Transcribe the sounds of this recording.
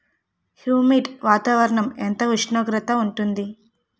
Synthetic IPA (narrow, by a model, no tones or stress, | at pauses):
hjuːmiɖʋaːt̪aːʋɐɾɐɳɐment̪ɐʋiʂɳoːɡɾɐt̪ɐuɳʈund̪i